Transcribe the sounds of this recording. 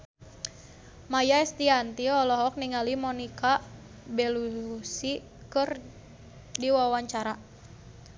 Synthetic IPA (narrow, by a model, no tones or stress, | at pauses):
majaɛst̪iant̪iɔlɔɦɔk̚niŋalimɔnika | bɛlusi | kɨr | diwawaɲt͡ʃaɾa